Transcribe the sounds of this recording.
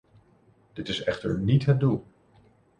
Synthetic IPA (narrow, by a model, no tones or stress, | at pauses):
d̥ɪtɪsɛχtəɹnitɦət̚dulˠ